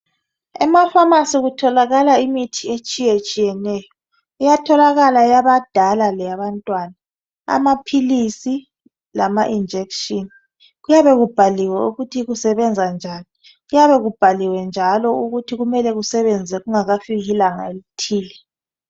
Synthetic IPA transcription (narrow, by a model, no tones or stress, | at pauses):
ɛmafamasiɣutʰɔlaɣalaimitʰiet͡ʃʼijet͡ʃʼijɛnɛjɔ | ujatʰɔlaɣalajaβad̥ʱalalɛjaβantʼwana | a̰mapʰilisi | lamaʔind͡ʒʱekʃʼin | ɣujaβɛɣub̥ʱaliwɛuɣutʰiɣusɛβɛnd͡zʱand͡ʒʱaːni | ɣujaβɛɣub̥ʱaliwɛnd͡ʒʱalɔuɣutʰiɣumɛlɛɣusɛβɛnd͡zʱɛɣuŋaɣafiɣilaŋa̰litʰiːlɛ